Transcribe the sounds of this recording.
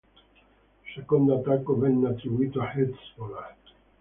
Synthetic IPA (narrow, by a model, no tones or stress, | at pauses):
sekond̪oat̪ːakːovɛnːeat̪ːɾibuiːt̪oaħet̪svolat̪